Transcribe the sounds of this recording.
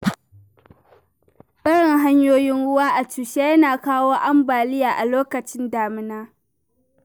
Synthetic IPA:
ɓɐ˦ɽɪ˨ŋɦa˦ɲjoː˦jɪ˦nɽʊ˦waː˦ʔa˨tuː˨ʃe˦jɐ˦naː˨kaː˦woː˦ʔa˦mbaː˨lɪ˦jaː˨ʔa˨loː˦kɐ˨t͡ʃɪ˦ndaː˨mɪ˦naː˦

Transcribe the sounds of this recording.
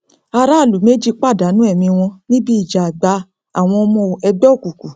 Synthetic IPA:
a˧ɾa˦˨lu˨˦me˦d͡ʒi˦˧k͡pa˦˨da˨˦nũ˦ɛ˦˨mĩ˧w̃ɔ̃˧nĩ˦bi˦i˦˨d͡ʒa˨ɡ͡ba˨˦ | a̰˦˨w̃ɔ̃˧ɔ˧mɔ̃˧˨ɛ˧bɔ˦˨ku˨ku˨

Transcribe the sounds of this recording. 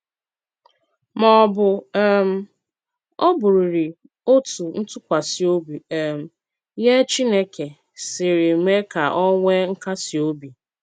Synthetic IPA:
mɔ˨bʊ˨e˦m̩˦ | ɔ˦bʊ˨ɾi˨ɾi˨ | o˦tu˨n̩˦tʊ˦kʷa˨si˨o˦bi˨e˨m̩˨ | je˦t͡ʃi˦ne˦ke˨ | sɪ˨ɾi˨me˦ka˨ʔɔ˦ŋʷe˦ŋ̩˦ka˦si˨o˦bi˨

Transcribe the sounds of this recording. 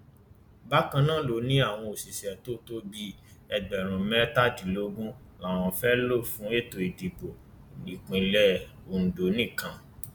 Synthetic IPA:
ba˦kã˧nãː˦˨lo˨˦nĩ˦a˦˨w̃ɔ̃˧o˨si˨ʃɛ˨to˦to˦bi˦ɛ˧ɡ͡bɛ˨ɾ̃ũ˨mɛ˦ta˦˨d͡ʒi˨˦lo˧˦ɡũ˦ | la˨w̃ɔ̃˧fɛ˦lo˦˨fũ˦e˦˨to˨e˨di˨bo˨ | li˨k͡pĩ˨lɛ˧o˨n̩˨do˨˦nĩ˦˨kã˧

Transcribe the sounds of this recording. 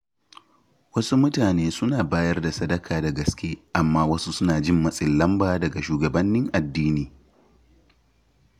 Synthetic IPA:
wɐ˦su˦mʊ˦taː˨neː˦sʊ˦naː˨baː˦jɐ˦rda˨sɐ˦dɐ˦kʰaː˨dɐ˨ɡɐ˨skʲeː˦ʔa˨mːaː˦wɐ˦su˦sʊ˦naː˨d͡ʒɪ˦˨mːɐ˦sʼɪ˨lːɐ˦mbaː˦˨dɐ˨ɡa˨ʃuː˨ɡɐ˨bɐ˦nːɪ˦ŋʔa˨dːiː˦niː˨

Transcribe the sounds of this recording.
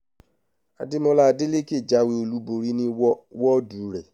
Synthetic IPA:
a˨di˦mo˧la˦˧de˦le˦ki˦e˦˨d͡ʒa˨˦we˧o˧lu˨˦bo˨ɾi˦nĩ˧˦wɔ˦du˨˦ɾɛ˨

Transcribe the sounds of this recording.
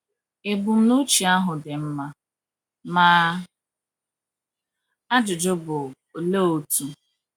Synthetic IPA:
e˨bu˨m̩˦nu˦t͡ʃi˨a˦ɦʊ˨dɪ˨m̩˦ma˦ | maː˦ | a˦d͡ʒʊ˨d͡ʒʊ˦bʊ˨ | le˦o˨tu˨

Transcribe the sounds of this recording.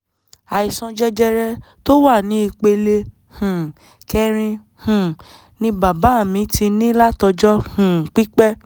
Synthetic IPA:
a˨i˨sɔ̃˧d͡ʒɛ˧d͡ʒɛ˧ɾɛ˧ | to˦wa˦˨nĩ˨˦i˧k͡pe˧le˧ | hũ˨ | kɛ˧ɾ̃ĩ˧ | hũ˨ | nĩ˧ba˨ba˨˦˨mĩ˨˦ti˧nĩ˦la˦tɔ˧d͡ʒɔ˦hũ˨k͡pi˦k͡pɛ˦

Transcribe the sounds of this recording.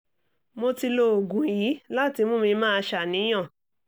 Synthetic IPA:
mo˧ti˧lo˧o˨ɡũ˨ji˨˦la˦˨ti˧mo˦mĩ˧mãː˦˧ʃa˨nĩ˨˦j̃ã˦˨

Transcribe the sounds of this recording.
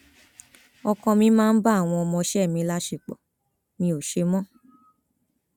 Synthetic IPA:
ɔ˧kɔ̃˧mĩ˧˦mãː˦n̩˦ba˦a˦˨w̃ɔ̃˧ɔ˧mɔ̃˧ʃɛ˦˨mĩ˨˧˦la˦ʃe˨k͡pɔ̰˨ | mĩ˧o˨ʃe˧mɔ̃˦

